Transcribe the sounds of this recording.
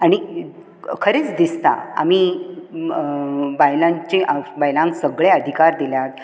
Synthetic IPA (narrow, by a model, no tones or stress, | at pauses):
aɽ̃i | kʰəɾet͡sd̪ist̪a̰a̰mi | bajlãɲt͡ɕẽʔbajlãŋksəɡɭeəd̪ʱikaɾd̪iljat̪̚